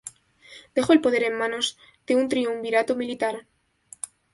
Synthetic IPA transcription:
d̪̥e̞xoe̞lpo̞ð̞e̞ɾe̞mːãno̞z | d̪eunt̪ɾiumbiɾat̪omilit̪aɾ

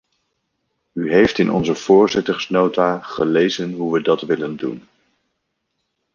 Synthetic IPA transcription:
yɦejftɪnɔ̰nzəv̥ʊːɹzɪtəɹsnowtaːχəlejzənɦuʋədɑtʋɪləndṵn

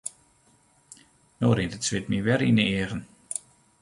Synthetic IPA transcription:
noːɾɪntətsʋɪtmiʋɛɾinəɪəɣən

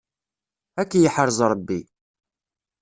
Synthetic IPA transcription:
ækːjəħəɾˤzˤɾˤəbːi

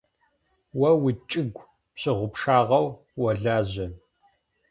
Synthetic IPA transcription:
wɐwit͡ʃʼɪɡʷ | pɕɪʁʷʊpʰʂaːʁɐw | wɐɮaːʑɐ

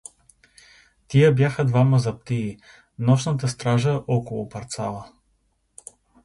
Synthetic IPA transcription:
t̪ijəbjaxəd̪vamɐzɐp̚t̪ii | nɔʃnət̪əst̪ɾaʒəʔɔkolˠʊpɐɾt̪sa̰lˠə

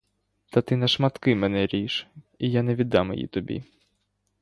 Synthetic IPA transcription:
t̪ɐt̪ɪnɐʃmɐt̪kɪmɛnɛɾʲiʃ | ijaneʋʲid̪ːɑmḛjḭt̪ɔbʲḭ

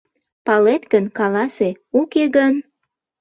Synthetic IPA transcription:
pɑlet̪ɡənkɑlɑse | ukeɡən

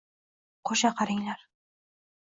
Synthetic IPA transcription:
qʰoʃaqʰɑɾɪŋlaɾ

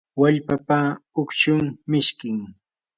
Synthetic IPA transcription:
waʎpapaʊkt͡ʃʊŋmɪʃkɪŋ

